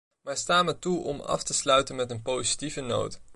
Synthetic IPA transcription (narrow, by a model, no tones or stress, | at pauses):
maːɹstaːmətuʔɔ̰mɑ̰ftəslœɥtənmɛtənpowzitivəno̰wt